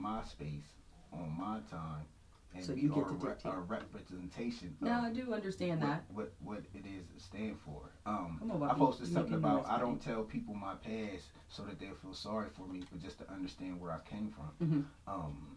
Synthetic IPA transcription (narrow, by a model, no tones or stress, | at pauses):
maɪspeɪs | ʔnmaɪtʰãɪ̃m | ɨ̃˞ | əɹɛpɹɨzɨ̃ntʰeɪʃɨ̃nnoaɪdɨʌ̃ndə˞stæ̃nðæt̚wʌt̚wʌɾɪɾɪz̥stæ̃nd̥fə̰˞ʌ̃moapoʊsɨstʰʌ̃kɪ̃ŋəbaʊta̰ɪɾõʊ̃ntʰɛlˠpʰipl̩ˠmaɪpʰæs | soʊðɨt̪̚ðeɪfilˠsɑɹifə˞mib̥ʌt̚d̥ʒ̥ʌstʰɨʔʌ̃ndə˞stæ̃nd̚wə˞aɪkʰẽɪ̃ɱfɹʌ̰̃mʔʌ̃m